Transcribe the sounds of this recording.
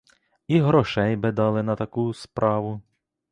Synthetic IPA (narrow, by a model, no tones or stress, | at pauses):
iɦɾɔʃɛjbɪd̪ɑlˠɪnɐt̪ɐkuspɾʔɑʋʊ